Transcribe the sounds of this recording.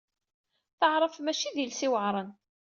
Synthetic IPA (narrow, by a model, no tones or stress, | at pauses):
θəʕɾˤəfmæʃiðilsiwəʕɾˤən